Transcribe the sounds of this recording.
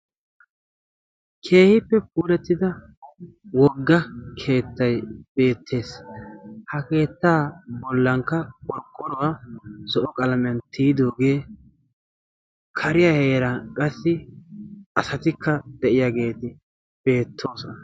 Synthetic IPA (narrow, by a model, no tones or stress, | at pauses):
kʰe̞ːhɪpːɛp̚uːɾɛt̪ːɪd̪ɐ | wɔɡːɐkʰe̞ːt̪ːɐjb̥e̞ːt̪ʰːe̞ːs | hɐke̞ːt̪ːaːbɔlːɐŋkːɐkʼɔɾkʼːɔɾɔwasɔʔɔkʼɐlɐmɐnt̪iːd̪o̞ːɡe̞ː | kʰɐɾɪjahe̞ːɾɐkʼɐsːɪ | ʔɐsɐt̪ɪkʰːɐd̪̥ɛʔɪjaɡe̞ːt̪ɪ | b̥e̞ːt̪ʰːo̞ːsɔnɐ